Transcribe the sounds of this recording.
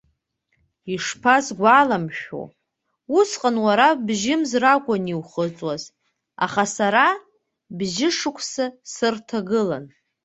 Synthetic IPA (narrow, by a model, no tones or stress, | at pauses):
iʂpʰazɡʷalamʃᶣo̰ | usqʼanwaɾabʒɪmzrakʷʼaniwχət͡sʼwaz | a̰χasaɾa | bʒɪʂɨkʷʰsasɨrtʰaɡɨla̰n